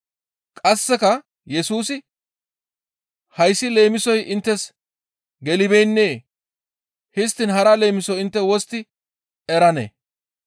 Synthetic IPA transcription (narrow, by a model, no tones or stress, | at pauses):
kʼɐsːɛkɐ | jɛsuːsɪ | hɐjsːɪle̞ːmɪsɔjʔɪnt̪ːɛs | ɡɛlɪbɛjnːeː | hɪst̪ːɪnɦɐɾɐle̞ːmɪsɔɪnt̪ːɛwɔst̪ːɪ | ɛɾɐnḛ